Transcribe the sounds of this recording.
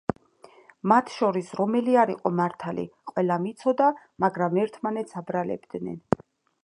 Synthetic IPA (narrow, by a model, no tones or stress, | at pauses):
mat̪ʰʃɔɾisɾɔmɛliaɾiqʼɔmaɾt̪ʰalḭqʼwɛlamit̪sʰɔd̪a | maɡɾamɛɾt̪ʰmanɛt̪sʰabɾalɛ̰bd̪nɛ̰n